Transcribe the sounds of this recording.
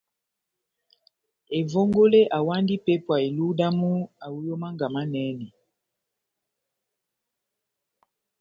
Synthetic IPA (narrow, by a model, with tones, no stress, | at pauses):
e˨vo˦ŋɡo˦le˦ʔa˨wa˦ndi˦pe˦pwa˨e˨lu˦da˦mu˦a˨wu˦jo˦ma˦ŋɡa˨ma˦nɛː˦nɛ˨